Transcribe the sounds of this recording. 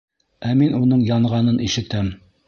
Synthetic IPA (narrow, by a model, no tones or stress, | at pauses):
æminunɤɴjɑɴʁɑnɤnʔiʃɘ̆t̪æm